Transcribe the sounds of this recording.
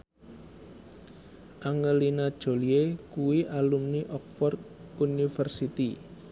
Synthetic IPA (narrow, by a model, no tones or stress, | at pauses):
ʔaŋəlinad̥ʒ̥o̤liekuwiʔalumniʔɔk̚fɔrd̪̚ | unifərsit̪i